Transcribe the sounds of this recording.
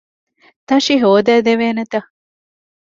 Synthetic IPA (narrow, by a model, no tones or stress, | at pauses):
t̪ɐʃiɦoːd̪æːd̪eʋeːnet̪ɐ